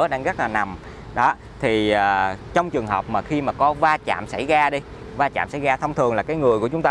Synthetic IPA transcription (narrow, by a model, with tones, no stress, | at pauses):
ə˦ɗaː˧ŋɣə˦˥k̚laː˨˩na˨˩m | ɗɔ˨˦ | t̪ʰiː˨˩˨t͡ɕɔ˧wŋ͡mt͡ɕɨ˨˩əŋɦəː˨˩p̚maː˨˩xi˧maː˨˩kɔ˨˦vaː˧t͡ɕa̰ː˧˨msa̰˧˩jɣaː˧ɗi˧ | vaː˧t͡ɕa̰ː˧˨msa̰˧˩jɣaː˧t̪ʰə˧wŋ͡mt̪ʰɨ˨˩əŋlaː˨˩kaː˨˦jŋɨ˨˩əku˧˩t͡ɕʊ˨˦ŋ͡mt̪aː˧